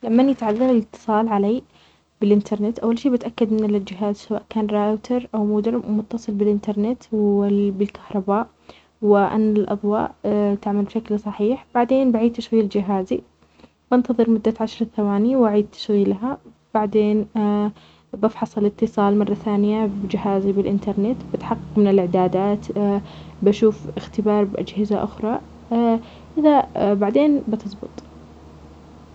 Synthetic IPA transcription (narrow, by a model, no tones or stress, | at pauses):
lamːanjɪt̪ʕaðːɑɾˤɪlɪt̪ʰːɨ̥sˤɑːlʕalaː | b̥ɪlʔɪnt̪ʰɑɾˤnɪt̪ʔawːalʃiːbɪt̪ʔakːad̪mɪnːɪlɪld͡ʒɪɦaːzsawaːʔkaːnɾaːʔt̪ʰɑɾˤʔawmʊːd̪ɪɾmʊt̪ːɑsˤɨlbɪlʔɪnt̪ɑɾˤnɪt̪wbɪlkḁhɾˤɑbaːʔ | wɪʔa̰nːalʔɑ̰ðˤwɑ̰ːʔt̪ɪʕmalbʃaklsˤɑħiːħb̥aʕd̪eːnbaʕiːd̪t̪aʃɣiːld͡ʒɪɦaːzi | bɪnt̪ɑðˤɨɾmʊd̪ːaʕaʃɾˤɑθawaːnɪjwaʕiːd̪̚t̪ʰḁʃɣiːlɦa | b̥aʕd̪eːn | bɪfħɑsˤɑlɪt̪ːɨsˤɑːlmɑrˤːɑθaːnɪjabd͡ʒɪhaːzibɪlʔɪnt̪ɑɾˤnɪt̪bɪt̪ħɑqːɑqmɪnɪlɪʕd̪aːd̪aːt̪ | baʃuːfɪxt̪ɪbɑːɾˤbʔa̰d͡ʒhɪzaʔʊxɾˤɑ | ʔɪðabaʕd̪eːnbɪt̪ɨzˤbɨ̰t̪ˤ